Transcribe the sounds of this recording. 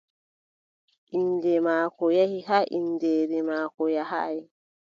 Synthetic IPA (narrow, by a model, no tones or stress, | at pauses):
ʔindɛmaːkɔjahiɦaʔindɛːɾɛmaːkɔjaɦa̰j